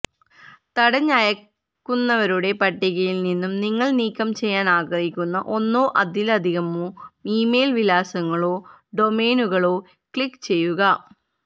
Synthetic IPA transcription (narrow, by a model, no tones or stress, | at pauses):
t̪ɐɽɐɲːajɐ | kːunːɐʋɐɾuɽe̞pɐʈːiɣɐjilninːumniŋːɐɭniːkʲːɐmt͡ɕe̞jːaːnaːɣɐɦikʲːunːɐʔo̞nːoːʔɐd̪ʱilɐd̪ʱiɣɐmoːiːme̞ːlʋilaːsɐŋːɐɭo̞ː | ɖo̞me̞ːnuɣɐɭo̞ː | kɭikːt͡ɕe̞jːuɣɐ